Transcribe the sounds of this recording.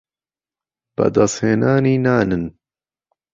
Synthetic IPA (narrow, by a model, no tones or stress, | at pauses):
b̥ɐ̰d̪ɑsheːnaːniːnaːnɨn